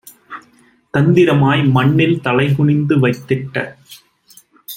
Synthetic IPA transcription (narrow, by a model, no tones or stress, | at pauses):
t̪ɐnd̪ɪɾɐmaːjmɐɳːɪlt̪ɐlɐɪɣʊɳɪnd̪ɯʋɐɪt̪ːɪʈːɐ̰